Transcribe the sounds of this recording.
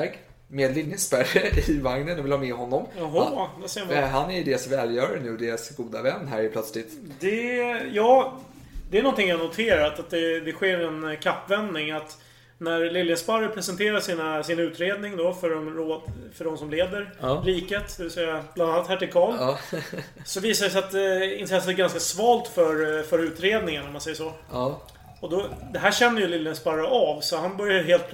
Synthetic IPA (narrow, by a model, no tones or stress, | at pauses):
ɡ | meːd̪lɪljəspæɾəɪvaŋnənɔvɪlhɑːmɛɦɔnːɔmaɦɔd̪ɛseːmaɦanæjɵd̪eːɾasvɛːljœːɾanʉ̟ːd̪eːɾasɡuːd̪avɛnːɦæɾpʰlœt̪slɪt̪ | d̪ɛjɑː | d̪ɛæɾnɔnt̪ɪŋjanʊt̪ʰeːɾat̪at̪̚d̪ɛd̪ɛɧeːɾɛnkʰapːvɛnd̪nɪŋat̪ | næɾlɪlːjəspaɾəpʰɾɛsɛnt̪ʰeːɾaʂiːnasɪnʉ̟ːt̪ɾeːd̪nɪŋd̪ɔfœɔmɾoːd̪fœɖɔmsɔmleːd̪əɾɾiːkət̪d̪ɛvɪlsɛjːablananːat̪hæːʈɪlkʰɑːl | sɔviːsad̪ɛsɛjat̪ɪnt̪ʰɾɛsːət̪ɛɾɡanskasvɑːlt̪fœɾfœɾʉ̟ːt̪ɾeːd̪nɪŋənːaɾmansɛjːəʂɔ | ɔd̪ɔd̪ɛɦæːʂɛnːəjɵlɪlːənspaɾəʔɑvsɔhanbœɾjaɦeːlt̪̚